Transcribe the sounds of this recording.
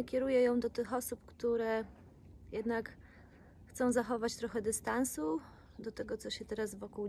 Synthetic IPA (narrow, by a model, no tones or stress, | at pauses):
kʲɛɾujɛjɔ̃w̃d̪ɔt̪ɘxɔsupkt̪uɾɛ | jɛd̪nak | xt̪sɔ̃w̃zaxɔvat͡ɕt̪ɾɔxɛd̪ɘst̪ansu | d̪ɔt̪ɛɡɔt̪sɔɕɛt̪ɛɾazvɔkuw